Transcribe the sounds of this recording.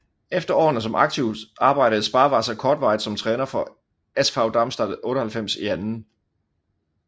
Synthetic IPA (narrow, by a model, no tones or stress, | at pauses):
efd̥ɐɒ̰ːnəs̬ɒ̽mʔɑ̈ɡ̥̚t͡sʰiʊ̰d̥ɑ̈ːb̥ɑ̈ɪ̰ɾ̥əð̩ˠsb̥ɑ̈ːʋɑ̈sɐkʰɒːd̥ʋɑ̈ɪd̥sɒ̽mt͡sʰʁɛːnɐfɒ̽ | esfɑ̈ʊd̥ɑ̈msd̥ɑd̥̩ˠɔ̽ːɾəhælfem̰siænn̩